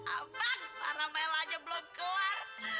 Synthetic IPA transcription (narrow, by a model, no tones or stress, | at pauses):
a̰bapa̰ɾamaɛlad͡ʒabəlɔmkəlar